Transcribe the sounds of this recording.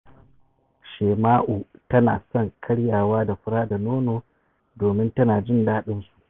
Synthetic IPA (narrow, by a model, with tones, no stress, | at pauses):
ʃeː˨maː˦ʔuː˨tɐ˦na̰ː˨sɔ˦˨ŋkʰɐ˦ɽjaː˨waː˦da˨ɸʊ˦ɽaː˦da˨noː˦noː˨ | doː˨mɪ˦ntɐ˦naː˨d͡ʒɪ˦˨ndaː˦ɗɪ˦nsu̥˨ʔ